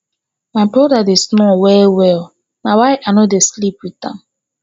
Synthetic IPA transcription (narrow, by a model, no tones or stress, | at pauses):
maɪbɹɔdadesnɔwɛlwɛl | nawaɪʔanodeslipwitã̰m